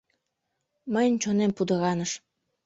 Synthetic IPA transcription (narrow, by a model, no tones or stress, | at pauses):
məjənʲt͡ɕonempud̪əɣɑnəʃ